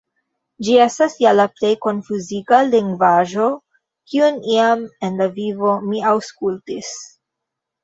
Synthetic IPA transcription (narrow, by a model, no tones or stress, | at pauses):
d͡ʒie̞stasjalaple̞jko̞nfuziɡaliŋɡvaʒo̞ | kiuniame̞nlavivo̞miawskultis